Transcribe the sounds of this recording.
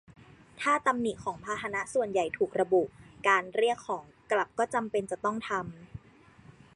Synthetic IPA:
t̪ʰaː˥˩t̪a˧mni˨˩kʰɔː˩˦ŋpʰaː˧t̪ʰa˧na˦˥ʔsu˨˩ənja˨˩jt̪ʰuː˨˩k̚ɾa˧bu˨˩ʔkaː˧nɾi˥˩əkʰːɔː˩˦ŋkla˨˩p̚kɔː˥˩t͡ɕa˧mpe˧nt͡ɕa˨˩t̪ɔ˥˩ŋt̪ʰa˧m

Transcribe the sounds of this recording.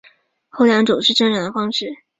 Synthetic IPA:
xo˥˩ʊljɑ˧˥ŋʈ͡ʂu˨˩ʊʂɻ̩˥˧ʈ͡ʂɤ˥ŋʈ͡ʂɑ˨˩d̪ə˧˩fɑ˥ŋʂɻ̩˥˩

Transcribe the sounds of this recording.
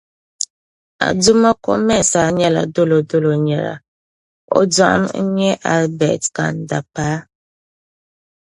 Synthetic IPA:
a̰˨du˦ma˦ko̰˦mɛ˦˨n˨sa˨˦ɲɛ˦la̰˨do˦lo˨do˦lo˨ɲɛ˨la̰˨ | ɔ̰˦d͡za˦˨ʔm˦ɲɛ˦ʔa˦lbɛ˨tka̰˨n˨da˨pa˦

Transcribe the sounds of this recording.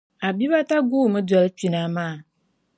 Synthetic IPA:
a˨bi˦βa˦ta˦ɡuː˦˨mɨ˦da˨lɨ˦t͡ʃi˨na˦maː˦˨

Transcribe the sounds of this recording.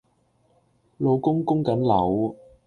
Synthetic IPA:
lo˨˧wkʊ˥ŋkʊ˥ŋkɐ˨˥nlɐ˨˩w

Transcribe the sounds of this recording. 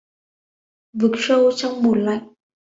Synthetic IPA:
vɨ˨˩k̚sə˧wt͡ɕɔ˧wŋ͡mmu˨˩ən̚la̰˧˨jŋ̚

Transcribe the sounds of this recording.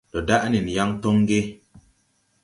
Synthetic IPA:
do˨da˦ʔni˨n˨ja˦ŋto˦ŋ˦ɡe˦

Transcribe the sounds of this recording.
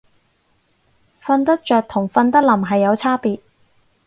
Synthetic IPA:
fɐ˧nt̪̬ɐ˥k̚t͡ʃœː˨k̚t̪ʰʊ˨˩ŋfɐ˧nt̪ɐ˥k̚lɐ˨˩mɦɐ˨jːɐ˨˧wt͡sʰaː˥piː˨˧t̚

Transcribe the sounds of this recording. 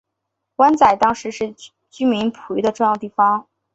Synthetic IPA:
kwa˥nt͡sa˨˩ɪt̪ɑ˥ŋʂɻ̩˧˥ʂɻ̩˥˩ | t͡ɕy˥mi˧˥npʰu˧˥d̪ə˧ʈ͡ʂʊ˥˧ŋjɑ˥˧ʊt̪i˥˩fɑ˥ŋ

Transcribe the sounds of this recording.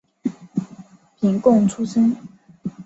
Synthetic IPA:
pʰi˧˥ŋkʊ˥˨ŋʈ͡ʂʰu˥sə˥n

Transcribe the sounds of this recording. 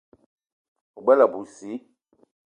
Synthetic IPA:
o˨ɡ͡bɛ˦la˨bu˨si˨˦

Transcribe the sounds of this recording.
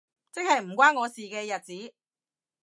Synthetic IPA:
t͡sɪ˥k̚hɐ˨jm̩˨˩kʷaː˥nŋɔː˨˧siː˨kɛː˧jɐ˨t̚t͡siː˨˥

